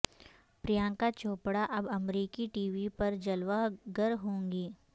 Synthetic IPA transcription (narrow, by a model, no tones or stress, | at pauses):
pɾijãːkat͡ʃoːpɽaʔɐbɐmɾiːkiʈiːʋipɐɾd͡ʒɐlʋaɡɐɾɦõːŋɡiː